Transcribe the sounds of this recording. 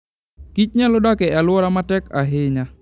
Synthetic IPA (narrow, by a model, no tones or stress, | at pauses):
kit͡ʃɲalɔdakɛalwɔɾamatɛkaɦɪɲa